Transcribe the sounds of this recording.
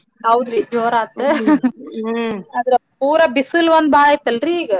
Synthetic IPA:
ɦɐwd̪ɾid͡ʒoːɾaːt̪ːe | ɐd̪ɾɐpuːɾɐbisɨlʋɐnd̪̚baːɭajt̪ːɐlɾiːɡɐ

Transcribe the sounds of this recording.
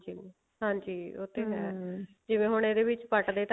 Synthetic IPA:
d͡ʒi | ɦãːɲd͡ʒiːo̰ːt̪ʰːeːɦɛː | d͡ʒɪʋẽːɦoɳ̃eːd̪eːβɪt͡ʃpəʈd̪eːt̪

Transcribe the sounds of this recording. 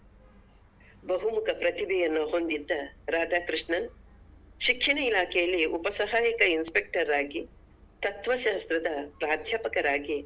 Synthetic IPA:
bɐɦumukʰɐpɾɐt̪ibʱɛjɐnːuɦond̪id̪ːɐɾaːd̪ʱaːkɾiʂɳɐn | ʃikʂiɳɐilaːkʰɛjɐlːiupɐsɐɦaːjɐkɐinspek̚ʈɐɾaːɡi | t̪ɐt̪ʋɐʃaːɐst̪ɾɐd̪ɐpɾaːd̪ʱjaːpɐkɐɾaːɡi

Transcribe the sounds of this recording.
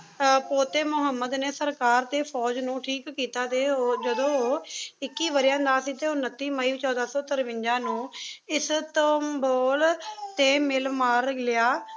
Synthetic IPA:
poːt̪eːmʊɦəmːəd̪neːsəɾkaːɾt̪eːpʰɔːd͡ʒnũːʈʰiːkːiːt̪aːd̪eːoːd͡ʒəd̪õːɪkːiːʋəɾɪjãːnd̪aːsiːt̪eːʊnːət̪ːiːməiːt͡ʃɔːd̪aːsɔːt̪əɾʋɪ̃ɲd͡ʒãːnũːɪst̪əːmboːlt̪eːmɪlmaːɾlɪjaː

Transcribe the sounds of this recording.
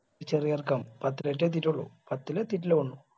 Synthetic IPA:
t͡ɕerijɐrkɐmpɐt̪ːileʈːet̪̬itːuɭːṵpɐt̪ːilet̪itːiluɳːu

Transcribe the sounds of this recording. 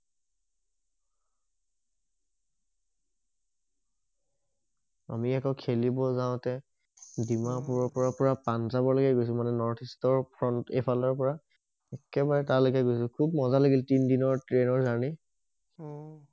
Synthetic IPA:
a̰miɛkɔkʰelibɔzaʊ̃tɛ | dimapuɹɔɹpɔɹɔpɔɹapanzabɔɹlɔɡɛɡojs̬ʊ̃manɛnɔɹtʰistɔɹpʰɹɔntepʰalɔɹpɔɹa | ɛkɛbaɹɛtalokɛɡojs̬ʊ̃kʰub̚mɔzalaɡiltindinɔɹtɹenɔɹzani

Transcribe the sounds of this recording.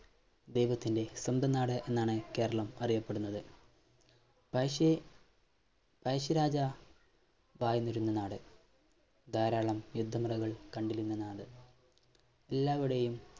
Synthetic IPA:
d̪e̞jʋɐt̪ːinde̞sɐmd̪ʱɐnaːɽɨʔe̞nːaːɳɨke̞ːɾɐɭɐmɐrijɐpːe̞ɽunːɐðɨ | pɐ | pɐjɕɐɾaːd͡ʑɐ | ʋaːjɐnːuɾunːɐnaːɽɨ | d̪ʱaːɾaːɭɐmjud̪ʱːɐmrɐɣɐɭkɐɳɖilunːɐnaːɽɨ | elːaːʋiɽejum

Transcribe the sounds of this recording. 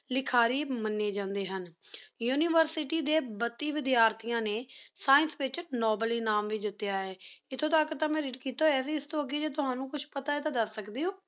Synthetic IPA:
lɪkʰaːɾiːmənːeːd͡ʒãːnd̪eːɦənjuːniːʋəɾsɪʈiːd̪eːbət̪ːiːʋɪd̪jaːɾt̪ʰɪjãːneːsaːɪnsʋɪt͡ʃnɔːbliːnaːmʋiːd͡ʒ̪ɪt̪ːejaːɛːɪt̪ʰːõːt̪akːt̪ãːmɛ̃ːɾiːʈkiːt̪aːɛːsiɪst̪õːəɡeːd͡ʒeːt̪ʊɦaːnũːkʊt͡ʃʰpət̪aːɛt̪ãːd̪əsːəkd̪eːoː

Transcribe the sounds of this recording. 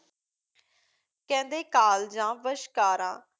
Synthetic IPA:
kɛ̃ːnd̪eːkaːld͡ʒãːʋəʃkaːɾãː

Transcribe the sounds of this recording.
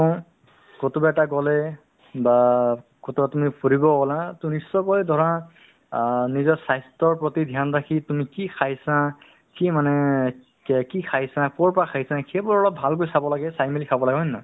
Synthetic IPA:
ɔ̃ | kotubaɛtaɡɔlɛ | ba | kotubatumipoɹibɔɡɔlãtunisːɔkɔjdʱɔɹã | nizɔsajstɔɹpɹotidʱjandakʰitumikikʰaɦjsã | kimanɛ | kikʰajsãkɔɹpɔɹakʰajsãxʰebʊɹɔlɔp̚bʱalk̬ojsabɔlaɡɛsajmelikʰabɔlaɡɔnːa

